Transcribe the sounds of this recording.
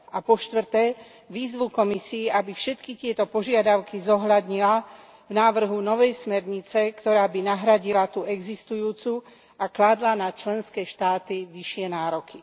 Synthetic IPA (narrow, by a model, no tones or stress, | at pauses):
apɔʃt̪ʋr̩t̪ɛː | ʋiːzʋukɔmisiːabifʃɛt̪kit̪ɪɛt̪ɔpɔʒɪad̪aʊkizɔɦlad̪ɲila | vnaːʋr̩ɦunɔʋɛjsmɛɾɲit͡sɛkt̪ɔɾaːbinaɦɾaɟilat̪uɛɡzist̪ujuːt͡su | aklad̪lanat͡ʃlɛnskɛːʃt̪aːt̪iʋiʃɪɛnaːɾɔki